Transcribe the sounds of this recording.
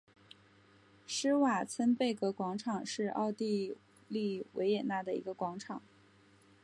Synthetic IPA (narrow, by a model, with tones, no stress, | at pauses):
ʂɻ̩˥wa˨˩t͡sʰə˥npe˥˩ɪkɤ˧˥kwɑ˧˥ŋʈ͡ʂʰɑ˨˩ŋʂɻ̩˥˧ʔɑ̰˥˧ʊt̪i˥˧ | li˥˩wḛ˧˥ɪjɛ˨˩na˥˩d̪ə˩i˧˥ɡə˧kwɑ˧˥ŋʈ͡ʂʰɑ˨˩˦ŋ